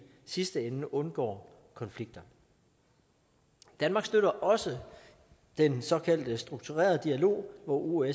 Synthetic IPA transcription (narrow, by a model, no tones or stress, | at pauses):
sisd̥əenəʔɔ̽nɡ̥ɒ̰ː | kʰɒ̽nfliɡ̥̚d̥ɐ | d̥ænmɑ̈ːɡ̥sd̥øɾɐʔɒ̽sə | d̥ensɒ̽kʰæl̰d̥əsd̥ʁuɡ̥t͡sʰuʁɛ̰ːɐð̞̩ˠd̥iælo̝̰ːʋɒʔue